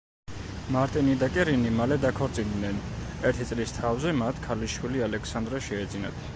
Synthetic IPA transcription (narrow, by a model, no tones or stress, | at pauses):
maɾt̪ʼinid̪akʼɛɾinimalɛd̪akʰɔɾt̪sʼind̪nɛnɛɾt̪ʰit̪sʼlist̪ʰavzɛmat̪ʰkʰaliʃwilialɛkʰsand̪ɾaʃɛːd̪zina̰t̪ʰ